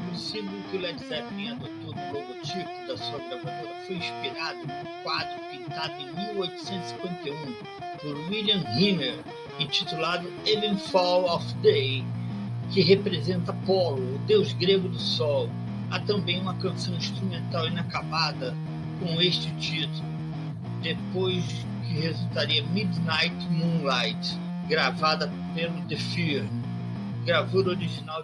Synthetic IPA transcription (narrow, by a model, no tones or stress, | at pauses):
posĩvewkɪʊlɛkzɛvmẽad̪ot̪oɾd̪ʊloɡot͡ʃipʊd̪ɐsuɐbɾavad̪oɾɐfojĩspiɾad̪ʊnʊ̃kwad̪ɾʊpĩt̪ad̪ʊẽj̃miwojt̪ʊ̥sẽt̪zisĩkwẽnt̪eũ | poɾwiliɐ̃mhĩmeɾ | ẽt͡ʃit̪ulad̪ʊelẽnfɔlɔfd̪ej | kɪɦepɾezẽnt̪ɐpɔlʊːd̪ewzɡɾeɡʊd̪ʊsɔw | a̰t̪ɐ̃mbẽj̃ũmɐkɐ̃sɐ̃w̃ĩst̪ɾumẽnt̪awĩnakabad̪ɐ | kõw̃eʃt͡ʃɪt͡ʃit̪ulʊ | d̪epojs | kɪhezuwt̪aɾiɐmid̪najt̪mũnlajt̪ | ɡɾavad̪ɐ | pelʊd̪efiɾn | ɡɾavoɾoɾiʒinaw